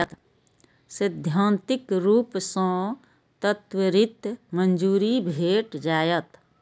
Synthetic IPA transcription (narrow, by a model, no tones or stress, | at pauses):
t̪ | sɪd̪ʱjãːnt̪ɪkɾuːpsə̃ | t̪ət̪wəɾɪt̪mənd͡ʒuːɾibʱeːʈd͡ʒaːjət̪